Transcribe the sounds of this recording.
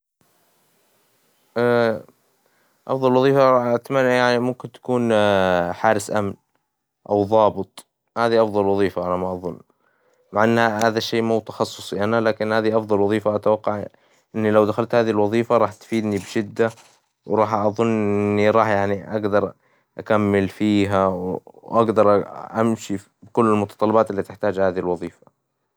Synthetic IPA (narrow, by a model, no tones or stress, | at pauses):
ʔa | ʔɑ̰fðˤɑlwɑðˤiːfaˤɑʔat̪manːʔajaʕnimʊmkɪnt̪ḁkuːn | ħaːɾɪsʔamn | ʔa̰wðˤɑːbɨt̪ˤ | haːðiʔɑfðˤɑlwɑðˤiːfaʔalamaʔɑðˤʊnː | maʕʔanːhahaːðaʃːeːmut̪ɑ̥xɑsˤːʊsˤjʔanalaːkɪnhaːðiʔɑfðˤɑlwɑðˤiːfaʔat̪awɑqːɑʕ | ʔɪnːilawd̪axalt̪haːðiilwɑðˤiːfaɾˤɑːħt̪fiːd̪nibɪʃɪd̪ːa | wɾˤɑːħʔɑðˤʊnːʔʔʔɪnːiɾˤɑːħjaʕniʔaɡd̪ɑɾˤ | ʔakamːɪlfiːɦawʔaɡd̪ɑɾˤʔʔamʃi | bɪkʊlːɪlmʊt̪ɑt̪ˤɑlːɑbaːt̪ɪlːiːt̪ɪħt̪aːd͡ʒhaːðihilwɑðˤiːfḁ